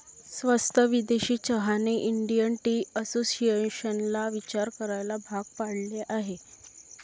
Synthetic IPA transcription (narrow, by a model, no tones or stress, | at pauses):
sʋəst̪ʰəʋid̪eɕiːt͡ɕəɦaneʔiɳɖijənʈiːəsosieɕənlaʋit͡ɕaɾkəɾajlabʱaɡ̚paɽleʔaɦe